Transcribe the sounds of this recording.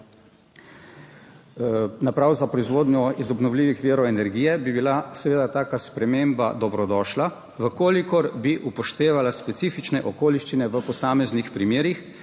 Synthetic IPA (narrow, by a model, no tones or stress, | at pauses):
napɾawzapɾɔizʋoːd̪nʲjɔizɔbnɔwliːʋixʋiːɾɔɛnɛɾɡiːjɛbibilasɛʋeːd̪at̪aːkaspɾɛmeːmba̰d̪ɔbɾɔd̪ɔːʃla | ʋəkoːlikɔɾbiʔupɔʃt̪eːʋalaspɛt̪siːfit͡ʃnɛʔɔkoːliʃt͡ʃinɛʋəpɔsaːmɛznixpɾimeːɾix